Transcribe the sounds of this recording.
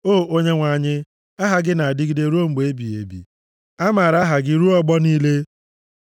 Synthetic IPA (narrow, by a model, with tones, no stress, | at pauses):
oː˦˨o˦ɲe˦ŋʷa˨ɲɪ˦ | a˦ɦa˦ɡɪ˦na˨a˨dɪ˦ɡi˦de˦ɾo˦ŋ͡m̩˨ɡ͡be˦bi˨ḛ˨bḭ˨ | a˦ma˨ɾa˦ɦa˨ɡɪ˦ɾu˦ɔ˦ɡ͡bɔ˦niː˦le˦